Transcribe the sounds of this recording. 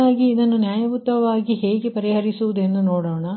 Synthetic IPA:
aːɡiːd̪ɐnːunjaːjɐʋut̪ːɐʋaːɡiɦe̞ːɡepɐɾiɦɐɾisuʋud̪e̞nd̪unoːɽoːɳɐ

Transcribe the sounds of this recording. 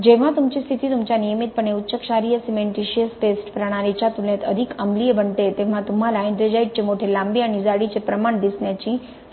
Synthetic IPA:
d͡ʑeʋ̤ãt̪umt͡ɕist̪ʰit̪it̪umt͡ɕanijəmit̪̚pəɳeutːɕəkʃaɾijəsimeɳʈiʃijəspesʈpɾəɽ̃aɾit͡ɕat̪ulẽt̪əd̪ʱikəmliebəɳʈ̪et̪em̤ãt̪um̤alaẽnd̪ɾəd͡ʒaiʈ̚t͡ɕemoʈ̪ʰelambianizaɽit͡ʃepɾəmaɳd̪isnjat͡ɕi

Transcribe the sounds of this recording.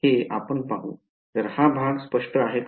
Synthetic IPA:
ea̰pəɳpaɦũ | t̪əɾhabʱaɡspəʂʈəaɦek

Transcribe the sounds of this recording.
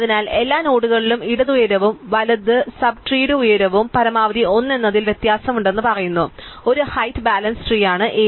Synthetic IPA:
ɐðinaːle̞lːaːnoːɽuɣɐɭilumiɽɐðujɐɾɐʋumʋɐlɐd̪ɨsɐbʈriːɽɨujɐɾɐʋumpɐɾɐmaːʋɐðio̞nːe̞nːɐðilʋje̞t̪jaːsɐmuɳɖe̞nːɨpɐrɐjunːuo̞ɾuhɐjt̪ʰːbaːlɐnsʈriːjaːɳɨʔeː

